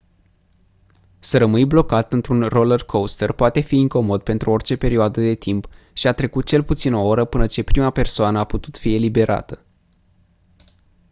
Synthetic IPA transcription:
səɾəmɨjblo̞kat̪ɨnt̪ɾunrolərkʰowst̪ərpoat̪e̞fiːŋko̞mo̞d̪̚pe̞nt̪ɾuo̞rt͡ʃe̞pe̞ɾioad̪əd̪e̞t̪imp | ʃiat̪ɾe̞kut̪̚t͡ʃe̞lput̪sino̞oɾəpɨnət͡ʃe̞pɾimape̞rsoanəaput̪ut̪fie̞libe̞ɾʔa̰t̪ə

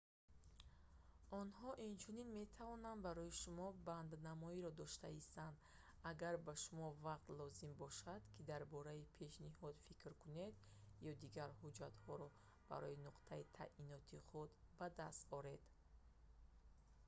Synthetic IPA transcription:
ɔnhɔʔint͡ʃʰuninme̞t̪ʰavɔnand̪baɾɔjiʃumɔband̪namɔiɾɔd̪ɔʃt̪aist̪and̪ | aɡaɾbaʃumɔvaq̚t̪lɔzimbɔʃad̪̥kʰid̪aɾbɔɾaipʰe̞ʃnihɔd̪fikɾkʰuned̪jɔd̪iɡaɾhud͡ʒat̪hɔɾɔ | b̥a̰ɾɔinuqt̪ʰait̪ʰa̰ʔinɔt̪ʰiχud̪bad̪ast̪ɔɾe̞d̪̥

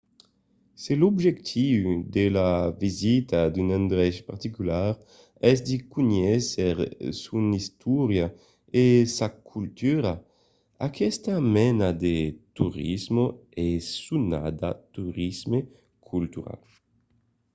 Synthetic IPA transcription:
selobʒekt̪ʰiwd̪elavizit̪ad̪ynãnd̪ɾɛʃpaɾt̪ikylaɾ | ɛsd̪ikuɲɛseʁsunist̪uɾja | esakʰult̪yɾa | akʰɛst̪amɛnad̪et̪uɾizmoesuna̰d̪a̰t̪uɾizme | kʰult̪yɾa̰l

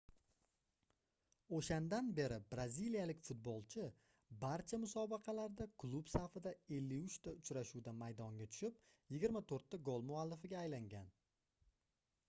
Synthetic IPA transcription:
oʃand̪anbe̞ɾɪbɾazilijalɪkʲfʊt̪̚bolˠt͡ʃʰɪ | baɾt͡ʃʰamʊsɒbɑqʰɑlaɾd̪akʰlˠubsafɪd̪ae̞lːɪʊt͡ʃt̪aʊt͡ʃɾaʃud̪amajd̪ɒŋɡʲat̪ʰʊ̥ʃɪp̚jɪɡʲɪɾmat̪ʰoɾt̪ːaɡolˠmʊalːɪfɪɡʲaːjlaŋɡʲan

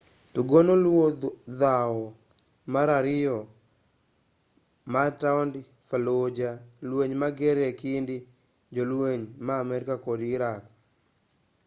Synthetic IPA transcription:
tuɡonolwodawɔ | maɾaɾɪjɔ | mataɔnd | falod͡ʒalweɲmaɡeɾekɪndɪ | d͡ʒolweɲmaːmɛɾɪkakodiɾak

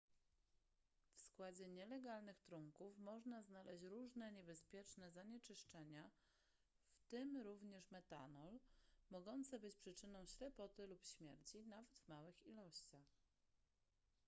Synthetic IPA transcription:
fskwad͡ʑɛɲɛlɛɡalnɘxt̪ɾuŋkufmɔʐnaznalɛɕt͡ɕɾuʐnɛɲɛbɛspʲjɛt͡ʂnɛzaɲɛt͡ʂɘʂt͡ʂɛɲa | ft̪ɘmɾuvɲɛʂmɛt̪a̰nɔlmɔɡɔnt̪sɛbɘt͡ɕpʂɘt͡ʂɘnɔ̃w̃ɕlɛpɔt̪ɘlupɕmʲjɛɾt͡ɕinavɛd̪vmawɘxilɔɕt͡ɕax

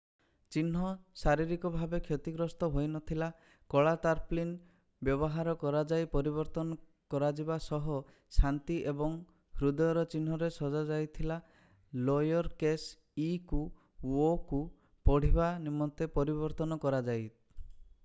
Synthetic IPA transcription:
t͡ʃinɦɔsaɾiɾikɔbʱabekʰjɔt̪iɡɾɔst̪ɔɦojnɔt̪ʰila | kɔɭat̪aɾplin | bjɔβɔɦaɾɔkɔɾad͡ʒajpɔɾiβɔɾt̪ɔnɔ | kɔɾad͡ʒibasɔɦɔ | sant̪iʔebɔŋ | hɾud̪ɔjɔɾɔt͡ʃin̤ɦɔɾesɔd͡ʒad͡ʒajt̪ʰila | lɔjɔɾkes | iku | oku | pɔɽ̤ibanimːɔnt̪epɔɾibɔɾt̪ɔnɔkɔɾad͡ʒaj

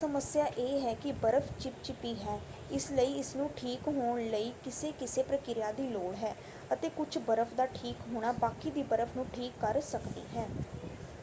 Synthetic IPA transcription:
səməsɪjaːʔeːɦɛːkɪbəɾəfʰt͡ʃɪp̚t͡ʃɪpiːɦɛː | ɪsləiːɪsnũːʈʰiːkɦoːɳləiːkɪseːkɪseːpɾəkɪɾjaːd̪iːloːɽɦɛː | ət̪eːkʊt͡ʃʰbəɾəfʰd̪aːʈʰiːkɦoːɽ̃aːbaːkiːd̪iːbəɾəfʰnũːʈʰiːkːəɾsəkd̪ḭːɦɛː

